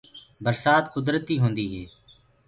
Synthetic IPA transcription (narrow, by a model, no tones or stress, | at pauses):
bəɾsaːt̪kʊd̪ɾət̪iːɦõːnd̪iːɦɛː